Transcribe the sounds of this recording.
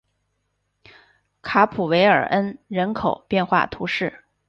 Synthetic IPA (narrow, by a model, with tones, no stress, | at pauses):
kʰa˧˥pʰu˨˩we˧˥ɪə̰˞˨˩ʔə˥nɻə˧˥nkʰo˨˩ʊpjɛ˥˧nxwa̰˥˩t̪ʰu˧˥ʂɻ̩˥˩